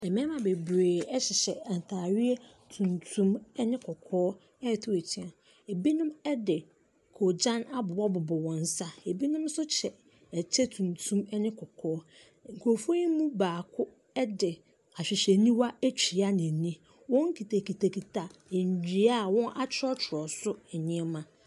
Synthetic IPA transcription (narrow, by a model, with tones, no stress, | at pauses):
ɛ˨mɛ̃˦mã˨be˨bɾeː˨ɛ˦ɕɪ˨ɕɛ˨n̩˨tʰa˨ɥɪ˦e˦ | tʰũ˨ntʰũ˦m˦nɪ̃˦kʰɔ˨kʰɔː˦ | ɛ˦˨tʰʊ˦e˨tʰi˨ã˨ | e˨bi˦nʊ̃˦mɛ˦dɪ˨ | kʰo˨d͡ʑã˦na˦bʊ˨wɔ˦bʊ˨bʊ˨wɔ̃˨n̩˦sa˦e˨bi˦nʊ̃˦msʊ˦t͡ɕʰɛ˨ | ɛ˨t͡ɕʰɛ˦tʰũ˨ntʰũ˦mɛ˦nɪ̃˦kʰɔ˨kʰɔː˦ | ŋ̩˨kʰo˨fɔ˦i˦mũ˦baː˨kʰʊ˦ | ɛ˦dɪ˨ | a˨ɕᶣɪ˨ɕɛ˨nĩ˦wa˦æ˦t͡ɕᶣʰi˨a˦nɪ̃˨nĩ˦ | wɔ̃˦ŋ̩˦kʰi˨tʰa˨ki˨tʰa˨kʰi˨tʰa˨e˨ɲ˨d͡ʑᶣi˨˦a˦˨wɔ̃˦nʔa˦t͡ɕʰɪ˦ɔ˦t͡ɕʰɪ˨ɾɔ˨sʊ˦ɛ˨ɲɪ̃˦ɛ˦mã˨